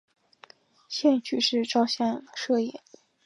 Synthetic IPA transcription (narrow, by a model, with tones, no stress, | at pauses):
ɕjɛ˥˩nt͡ɕʰy˨˩ʂɻ̩˥˧ʈ͡ʂɑ˥˧ʊɕjɛ˥˧nʂɤ˥˧jɛ̰˥˩˦